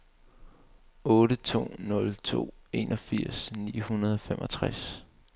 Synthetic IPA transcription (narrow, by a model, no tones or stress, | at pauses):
ɔ̽ːɾət͡sʰo̝̰ːnɔ̽lt͡sʰo̝̰ːe̝nʔɒ̽fiɐ̰snḭːhunɐðˠɒ̽femʔɒ̽t͡sʰʁas